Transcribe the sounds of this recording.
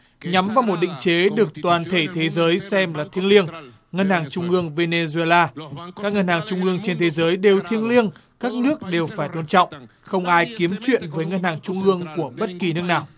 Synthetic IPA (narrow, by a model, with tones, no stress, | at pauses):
ɲa˨˦mvaː˨˩wmo˨˩t̚ɗḭ̈˧˨ŋ̟t͡ɕe˨˦ɗɨ˨˩ək̚t̪waː˨˩nt̪ʰe˧˩t̪ʰe˨˦zəː˨˦jsɛ˧mlaː˨˩t̪ʰi˧ənli˧əŋ | ŋə˧nhaː˨˩ŋt͡ɕʊ˧ŋ͡mʔɨ˧əŋve˧ne˧zu˧e˧laː˧kaː˦˥k̚ŋə˧nhaː˨˩ŋt͡ɕʊ˧ŋ͡mʔɨ˧əŋt͡ɕe˧nt̪ʰe˨˦zəː˨˦jɗe˨˩wt̪ʰi˧ənli˧ənkaː˦˥k̚nɨ˦˥ək̚ɗe˨˩wfaː˧˩jt̪o˧nt͡ɕɔ̰˧˨wŋ͡m | xə˧wŋ͡mʔaː˧jki˨˦əmt͡ɕwḭ˧˨ənvəː˨˦jŋə˧nhaː˨˩ŋt͡ɕʊ˧ŋ͡mʔɨ˧əŋku˧˩əɓə˦˥t̚ki˨˩nɨ˦˥ək̚naː˨˩w